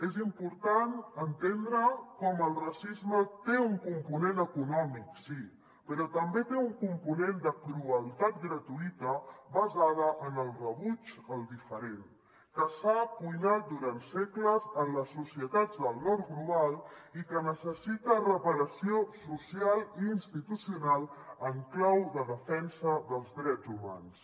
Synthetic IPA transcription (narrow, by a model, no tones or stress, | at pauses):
ezimpuɾt̪anənt̪end̪ɾəkɔməlˠrasizmət̪euŋkumpunenəkunɔmiksi | pəɾɔt̪əmbet̪euŋkumpunend̪əkɾuəlˠt̪at̪̚ɡɾət̪uit̪əβəzað̞əʔənəlˠrəβut͡ʃəlˠd̪ifəɾen | kəsapujnat̪̚d̪uɾansekləzənləsːusiət̪ad͡zd̪əlˠnɔrɡluβalˠikənəsəsit̪ərəpəɾəsiosusialˠiːnst̪it̪usiunalˠəŋklawðəðəfɛnsəðəlˠzdɾɛzuma̰ns